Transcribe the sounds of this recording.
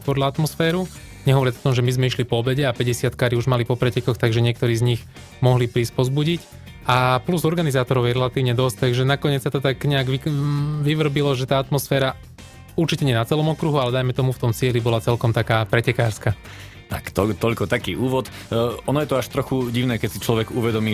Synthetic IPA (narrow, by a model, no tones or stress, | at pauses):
pɔdʎaat̪mɔsfɛːɾu | ɲɛɦɔʋɔɾɪaɔ̥t̪ɔmʒɛmizmɛiʃlipɔɔbɛɟɛapɛɟɛsɪat̪kaːɾiuʒmalipɔpɾɛcɛkɔxt̪aɡʒɛɲɪɛk̚t̪ɔɾiːzɲix | mɔɦlipɾiːspɔzbuɟic | apluzɔɾɡanizaːt̪ɔɾɔʊjɛɾɛlat̪iːʋɲɛd̪ɔsc̚t̪aɡʒɛnakɔɲɪɛt͡ssat̪ɔt̪aɡɲɛaɡʋiʋiʋr̩bilɔʒɛt̪aːat̪mɔsfɛːɾa | uɾt͡ʃicɛɲɛnat͡sɛlɔmɔkɾuɦualɛd̪ajmɛt̪ɔmuft̪ɔmt͡sɪɛlibɔlat͡sɛlkɔmt̪akaːpɾɛcɛkaːɾska | t̪akt̪ɔt̪ɔʎkɔt̪akiːʔuːʋɔt̪ | ɔnɔjɛt̪ɔaʃt̪ɾɔxuɟiʊnɛːkɛsit͡ʃlɔʋɛɡuʋɛd̪ɔmiː